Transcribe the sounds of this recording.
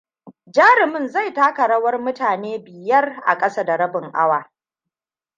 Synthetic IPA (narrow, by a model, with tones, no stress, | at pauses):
d͡ʒaː˦ɾɪ˨mɪ˦nza˦˨jtaː˦kɐ˨ɽɐ˦wɐ˦rmʊ˦taː˨neː˦bɪ˨jɐ˦rʔa̰˨kʼɐ˦sa˦da˨ɾɐ˦bɪ˨ŋʔa˦waː˨